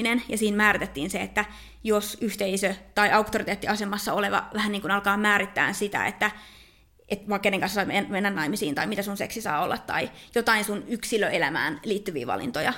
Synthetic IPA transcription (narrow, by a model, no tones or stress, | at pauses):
inenjɑsiːnmæːrit̪et̪ːiːnseet̪ːæ | josyht̪eisøt̪ɑiʔɑukt̪orit̪eːt̪ːiɑsemɑsːɑoleʋɑ̰ʋæhænniːŋkunɑlkɑːmæːrit̪ːæ̰ːnsit̪æ̰ḛt̪ːæ | ʔet̪ʋɑikːenːeŋkɑnsːsɑimenmenːænnɑimisiːnt̪ɑimit̪æsunseksisɑ̰ːo̰lːɑt̪tɑ̰ijot̪ɑinsunyksiløelæmæ̰ːnliːt̪ːyʋḭːʋɑ̰lḭnt̪ojɑ̰